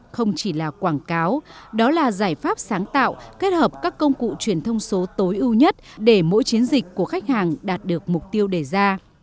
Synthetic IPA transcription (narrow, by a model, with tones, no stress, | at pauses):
xə˧wŋ͡mt͡ɕi˧˩laː˨˩kwaː˧˩ŋkaː˨˦wɗɔ˨˦laː˨˩zaː˧˩jfaː˦˥p̚saː˨˦ŋt̪a̰ː˧˨wke˦˥t̚həː˨˩p̚kaː˦˥kːə˧wŋ͡mkṵ˧˨t͡ɕwi˧˩ənt̪ʰə˧wŋ͡mso˨˦t̪o˨˦jʔɨ˧wɲə˦˥t̚ɗe˧˩mo̰˧˥jt͡ɕi˨˦ənzï˨˩k̟̚ʲkːu˧˩əxa˦˥k̟̚haː˨˩ŋɗaː˨˩t̚ɗɨ˨˩ək̚mʊ˨˩k͡p̚t̪i˧əwɗe˧˩zaː˧